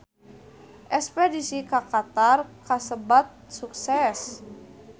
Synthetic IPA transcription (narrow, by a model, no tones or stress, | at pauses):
ʔɛspedisikakat̪arkasəbat̪̚suksɛs